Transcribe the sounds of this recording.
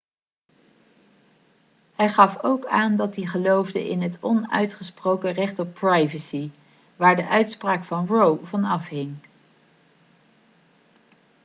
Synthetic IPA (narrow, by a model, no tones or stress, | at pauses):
ɦɛjχɑfowkaːndɑt̚diχəlowvdə̰ʔɪ̰nɦətɔnœ̰ɥtχəsprowkərɛχtɔprajvəsi | ʋaːɹdəʔœɥtspraːkfɑnɹowvɑnɑfɦɪŋ